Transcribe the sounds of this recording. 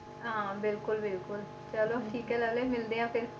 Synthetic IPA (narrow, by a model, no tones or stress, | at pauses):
ɦãːbɪlkʊlbɪlkʊl | t͡ʃəlõʈʰiːkɛːləleːmɪld̪eːãːpʰɪɾ